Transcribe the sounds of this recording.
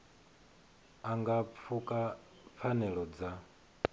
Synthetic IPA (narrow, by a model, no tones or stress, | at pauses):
aŋɡap̪fʰukʼa | p̪fʰanɛɺɔd͡za